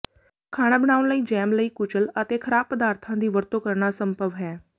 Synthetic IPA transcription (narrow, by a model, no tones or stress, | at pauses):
kʰaːɽ̃aːbəɽ̃aːʊnləiːd͡ʒɛːmləiːkʊt͡ʃələt̪eːkʰəɾaːb̚pəd̪aːɾt̪ʰãːd̪iːʋəɾt̪oːkəɾɳaːsəmbəʋɦɛː